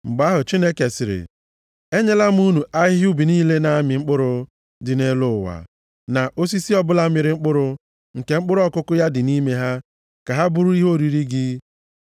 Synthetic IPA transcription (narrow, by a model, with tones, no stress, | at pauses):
ŋ͡m̩˨ɡ͡ba˦ɦʊ˨t͡ʃi˦ne˦ke˨sɪ˨ɾɪ̰˨ | e˦ɲe˦la˦m˦u˦nu˨ʔa˦ɦɪɪ˦ʊ˦bi˨niː˦le˦na˨˦mɪ˨ŋ͡m̩˦k͡pʊ˦ɾʊ˨ | dɪ˨ne˦lʊ˦˨wa̰˨ | na˨ʔo˦s̬i˦si˦ɔ˦bʊ˦la˦mɪ˨ɾɪ˨ŋ͡m̩˦k͡pʊ˦ɾʊ˦ | ŋ̩˨ke˨ŋ͡m̩˦k͡pʊ˦ɾɔ˦kʊ˦kʊ˦ja˦dɪ˨ni˦me˦ɦa˦ | ka˨ɦa˦bʊ˦ɾʊ˦i˦ɦo˦˨ɾi˨ɾi˦ɡɪ˦